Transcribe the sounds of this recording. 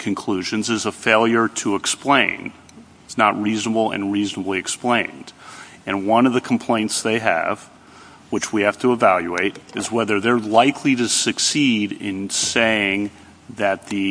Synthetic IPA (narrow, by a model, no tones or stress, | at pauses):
kʰɨ̃nkʰl̥ʉʒɨ̃nzɨzəfeɪlˠjə˞ɾəːksplẽɪ̃n | tsnət̚ɹiznəbl̩ˠɨ̰̃nɹiznəbliɨksplẽɪ̃nd̥ | ɨ̃nwʌ̃nʌvðɨkʰm̩pʰl̥ẽɪ̃ntsðeɪɨ̰v̥ | wɨt͡ʃwihæftəəvælˠjʉeɪɾɨzwɛðə˞ðə˞laɪkʰliɾɨsɨksiɾɪ̰̃nseɪɪ̃ŋ | ðɨt̪̚ðɨ